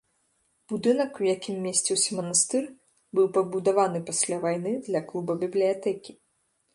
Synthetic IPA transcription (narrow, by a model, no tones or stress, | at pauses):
b̥ud̪ɨnɐkuwjakʲimːʲesʲt͡sʲiwsʲɐmɐnast̪ɨr | bɨwpɐbud̪avanɨpasʲlʲavajn̪ɨd̪lʲɐklˠubɐbʲiblʲijat̪ɛkʲi